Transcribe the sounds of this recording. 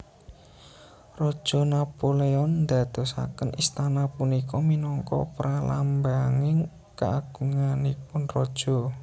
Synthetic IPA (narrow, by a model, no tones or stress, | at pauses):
rɔd̥ʒ̥ɔ̤napoleɔnd̪a̤d̪̥o̤sa̰kənʔist̪anapunikɔminɔŋkɔ̰pɾalambaŋɪŋ | ka̰aɡ̥uŋanipʊnrɔd̥ʒ̥ɔ̤